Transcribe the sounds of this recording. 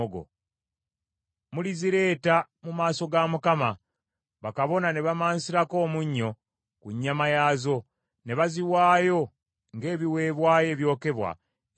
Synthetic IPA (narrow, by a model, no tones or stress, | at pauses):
ɡo̰ | muliziɾe̞ːta | mumaːso̞ɡamukama | βakaβo̞nane̞βamaːnsiɾako̞ːmuɲːo̞ | kuɲːamajaːzo̞ | ne̞βaziwaːjo̞ | ŋɡe̞ːβiwe̞ːβwaːje̞ːβjo̞ːke̞βwa̰